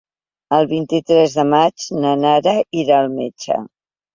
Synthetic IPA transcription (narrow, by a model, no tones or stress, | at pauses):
əlˠβint̪it̪ɾɛzðəmad͡ʒnənaɾəiɾaːlˠmḛt͡ʃə̰